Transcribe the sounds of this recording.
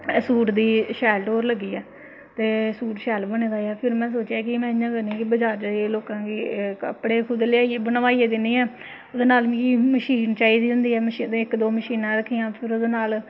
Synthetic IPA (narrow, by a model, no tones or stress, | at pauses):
suːʈd̪iːʃɛːlʈoːɾləɡiːɛː | t̪eːsuːʈʃɛːlbəneːd̪aːaːpʰɪɾmɛ̃ːs̬oːt͡ʃjaːkɪmɛ̃ːjãːkəɾnĩːkɪbəd͡ʒaːɾd͡ʒeloːkãːkiːkəpɽeːkʰʊd̪leaːieːbənʋaːieːd̪ɪnːiːɛː | od̪eːnaːlʋĩːməʃiːnt͡ʃaːiːd̪iːʊ̃nd̪iːɛːməʃɪkd̪oːməʃiːnãːɾəkʰːiːãːpʰɪɾod̪eːnaːl